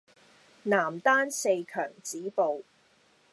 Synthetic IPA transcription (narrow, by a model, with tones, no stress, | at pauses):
naː˨˩mt̪aː˥nse˧jkʰœː˨˩ŋt͡siː˨˥po˨w